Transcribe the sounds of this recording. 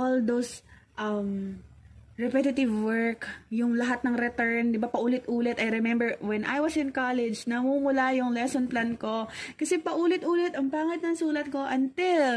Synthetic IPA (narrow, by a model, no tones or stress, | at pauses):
ʔold̪ows | ʔɐm | ɹɛpɛt̪ɪt̪ɪvwɛɹkjʊŋlɐɦat̪̚nɐŋɾɛt̪ɛɹnd̪ɪbapɐʔuːlɪt̪ʔuːlɛt̪ɐjɾɛmɛmbɛɹwɛnʔa̰jwɐsɪnkalɛd͡ʒnɐmumʊlajʊŋlɛsonplanko̞kɐsɛpɐʔuːlɪt̪ʔuːlɪt̪ɐŋpaːŋɐt̪̚nɐŋsuːlɐt̪̚ko̞ʔɐnt̪ɪl